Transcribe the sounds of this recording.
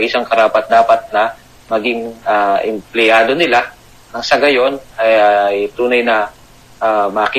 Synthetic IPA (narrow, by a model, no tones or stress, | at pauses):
ʔɪsaŋkɐɾaːpɐt̪̚d̪aːpɐt̪̚nɐ | mɐɡɪŋaʔɛmplɪjaːd̪o̞nɪla | ɐŋsɐɡɐjo̞nɐjjt̪uːnɐjnɐ | ʔamɐːki